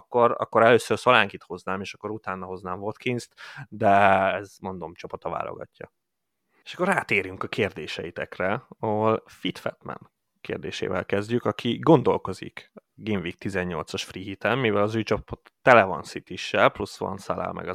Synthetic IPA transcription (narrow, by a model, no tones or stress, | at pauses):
kːo̞ɾɒ̰kːoɾɛløːsørsɒlaːŋkit̪ho̞znaːmeːʃɒkːo̞ɾut̪aːnːɒho̞znaːɱvot̪kinzt̪d̪ɛɛzmo̞nd̪o̞mt͡ʃopot̪ɒva̰ːlo̰ɡɒ̰cːɒ̰ | e̥ʃɒ̥kːoraːt̪eːɾyŋkɒkʰeːrd̪eːʃɛit̪ɛkrɛɒɦo̞lfit̪fɛ̰t̪mɛ̰n | kḛːrd̪ḛːʃḛːvɛ̰lkɛzɟykɒkʰiɡo̞nd̪o̞lko̞zḭkɡiɱvik̚t̪izɛɲːo̞lt̪sɒʃfriːɦit̪ɛmːivɛlɒzyːjt͡ʃɒpot̪ːɛlɛvɒ̰nsit̪iʃːɛlplusʋɒ̰nsala̰ːlmʔɛ̰ɡɒ